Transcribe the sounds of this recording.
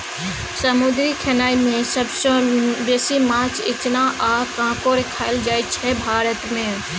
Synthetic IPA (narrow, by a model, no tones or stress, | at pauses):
səmʊd̪ɾikʰenaːimẽsəbsõbeːsimãːt͡ʃʰɪt̪naʔaːkãːkoɾɪkʰaːɪld͡ʒaːjt͡ʃʰɛbʱaːɾət̪mẽː